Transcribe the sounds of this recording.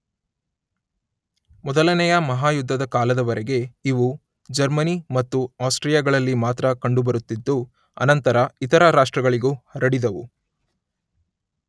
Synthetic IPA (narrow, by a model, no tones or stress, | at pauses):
mɔd̪ɐlɐnɛjɐmɐɦaːjud̪ʱːɐd̪ɐkaːlɐd̪ɐʋɐɾɛɡe̞iʋu | d͡ʒɐɾmɐnimɐt̪ːuaːsʈɾijɐɡɐɭɐlːimaːt̪ɾɐkɐɳɖubɐɾut̪ːid̪ːu | ɐ̰nɐnt̪ɐɾɐit̪ɐɾɐɾaːʂʈɾɐɡɐɭiɡuɐɾɐɽid̪ɐʋu